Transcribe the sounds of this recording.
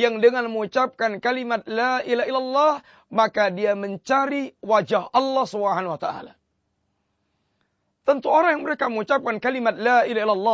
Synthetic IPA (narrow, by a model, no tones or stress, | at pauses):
jaŋdəŋanməŋut͡ʃap̚kankalimat̪̚laʔilailalːɑh | makadiaməɲt͡ʃaɾiwad͡ʒahɑlːɑhsubəɦanwat̪aʔa̰la̰ | t̪ənt̪uoɾaŋjaŋməɾekaməŋut͡ʃap̚kankalimat̪̚lailailalːɑ